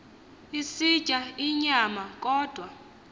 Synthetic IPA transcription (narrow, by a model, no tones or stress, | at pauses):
isid̥ʒ̥ʱaiɲamak̬ʼɔːd̥ʱwa